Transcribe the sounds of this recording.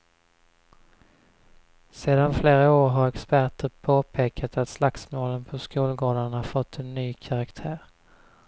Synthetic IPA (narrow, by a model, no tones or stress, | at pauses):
seːd̪anfleːɾaoːɾɦaɾɛkspæʈəɾpʰoːpʰeːkʰat̪at̪slaksmoːlənpʰɔskuːlɡoːd̪anhafɔt̪ʰːɛnːyːkʰaɾakt̪ʰæːɾ